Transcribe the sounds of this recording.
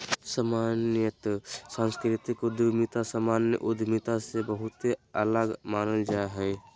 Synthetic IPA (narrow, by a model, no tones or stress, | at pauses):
samaːnjət̪sãːnskɾɪt̪ɪkʊd̪mɪt̪asəmaːnə̰ʔʊd̪ʱmɪt̪asebəɦʊt̪eələɡmaːnəld͡ʒaɦɛː